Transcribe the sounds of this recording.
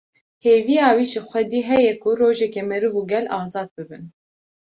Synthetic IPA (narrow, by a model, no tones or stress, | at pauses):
heːvijɑːwiːʒɨxʷɛd̪iːɦɛjɛkʰʊɾoːʒɛkɛmɛɾɨvuːɡɛlɑːzɑːd̪̚bɨbɨn